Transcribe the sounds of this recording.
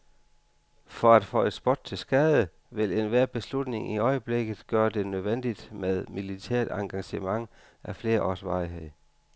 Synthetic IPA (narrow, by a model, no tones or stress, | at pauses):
fɒ̽æd̥fɔ̰ːe̝d̥sb̥ɔd̥̚t͡sʰe̝lsɡ̥ɛðˠə | ʋe̝le̝nʋæɐ̰b̥e̝slud̥ne̝ŋiɒ̽ɪəb̥leɡ̥ð̩ˠɡ̥ɶːɐd̥e̝nøð̞ˠʋen̰d̥id̥með̞ˠmilit͡sʰæɐ̰d̥ɑ̈ŋɡ̥ɑ̈ɕəmɑ̈ŋ | ʔæfle̝ːɐʔɒːsʋɑ̈ɪɦeð̰